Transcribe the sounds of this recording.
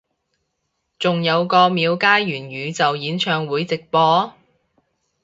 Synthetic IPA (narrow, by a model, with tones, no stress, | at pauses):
t͡sʊ˨ŋjɐ˨˧wkɔː˧miː˨˧wkaː˥jɥyː˨˩nɥyː˨˧t͡sɐ˨wjiː˨˥nt͡ʃʰœː˧ŋwuː˨˥jt͡sɪ˨k̚pɔː˧